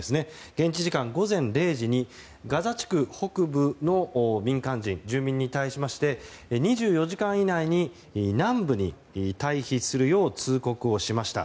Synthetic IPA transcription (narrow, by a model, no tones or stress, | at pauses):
esɨne̞ɡ̥ẽ̞ɲ̟t͡ɕiʑikãŋɡo̞zẽ̞nɾe̞ːʑiɲ̟i | ɡazat͡ɕi̥kɯ̟ho̞kɯ̟bɯ̟no̞mʲĩŋkãɲd͡ʑĩnd͡ʑɨːmʲĩɲ̟ːit̪aiɕimaɕi̥t̪e̞ɲ̟iʑɨːjo̞ʑikãɰ̃inaiɲ̟i | nãmbɯ̟ɲ̟ḭ | t̪aiçisɨɾɯ̟jo̞ːt͡sɨːko̞kɯ̟o̞ɕimaɕi̥t̪a̰